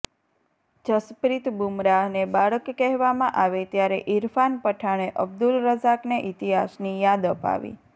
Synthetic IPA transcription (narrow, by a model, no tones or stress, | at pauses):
d͡ʒəspɾit̪bumɾaɦnebaɭəkːɛɦʋamãʔaʋet̪jaɾḛʔiɾfanpəʈʰaɽ̃eʔəb̚d̪ulɾəzakneʔit̪iɦasnijad̪əpa̰ʋḭ